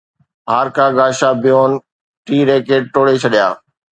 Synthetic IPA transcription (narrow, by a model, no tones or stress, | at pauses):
ɦaːɾkaːɡaːʃabɪjoːn | ʈiːɾeːkeːɖ̚ʈoːɽet͡ɕʰɐɗɪja̰ː